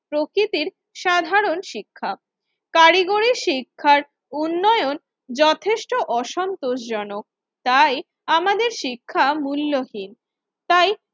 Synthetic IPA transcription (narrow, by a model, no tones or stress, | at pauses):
pɾokɾit̪iɾ | ʃad̪ʱaɾonʃikʰːa | kaɾiɡoɾiʃikʰːaɾ | unːɔeon | d͡ʑɔt̪ʰeʃʈoʔɔʃɔnt̪oʃd͡ʑɔnok̚ | t̪aj | amad̪eɾʃikʰːamulːohin | t̪aj